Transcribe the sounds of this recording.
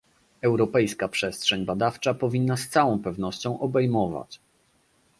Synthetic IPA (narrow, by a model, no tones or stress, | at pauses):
ɛwɾɔpɛjskapʂɛstʂɛɲbad̪aft͡ʂapɔvʲinːast̪sawɔ̃w̃pɛvnɔɕt͡ɕɔ̃w̃ʔɔbɛjmɔva̰t͡ɕ